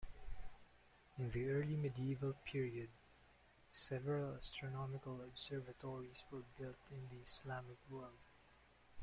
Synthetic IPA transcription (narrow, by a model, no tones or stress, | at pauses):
ɪ̃nðiɜɹlimɛdiivəlˠpʰiɹiəd̚ | sɛvɛɹəlastɹɔnɔmɪkalɔbsɛɹvatʰɔɹiswə˞bɪltɪ̃nðiɪslamɪkwɜɹld